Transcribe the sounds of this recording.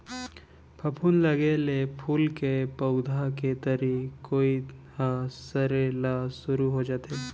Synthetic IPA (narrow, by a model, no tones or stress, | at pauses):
pʰɐpʰuːnlɐɡelepʰuːlkepəʊd̪ʱaket̪əɾikoːihasəɾelasʊɾuɦod͡ʒaːt̪eː